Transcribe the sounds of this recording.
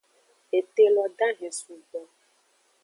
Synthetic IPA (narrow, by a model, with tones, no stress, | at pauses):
e˨t̪e˦lɔ˨ɖa˦ɦe˨su˨ɡ͡bɔ˦